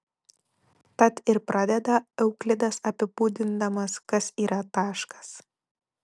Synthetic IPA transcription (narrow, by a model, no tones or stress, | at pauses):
t̪ɐt̪ɪɾpɾʔɑːd̪ʲɛd̪ɐɛʊklʲɪd̪ɐsɐpʲɪpuːd̪ʲɪnd̪ɐmɐskɐsiːɾɐt̪ɑːʃkɐ̥s